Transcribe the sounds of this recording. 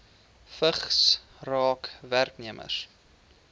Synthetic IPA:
fəχs | rɑːkværkniəmʔə̰s

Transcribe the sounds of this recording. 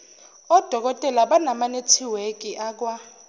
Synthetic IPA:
ɔd̥ʱɔk̬ɔtʼɛlaɓanamanetʰiwek̬ʼiʔaːk̬wa

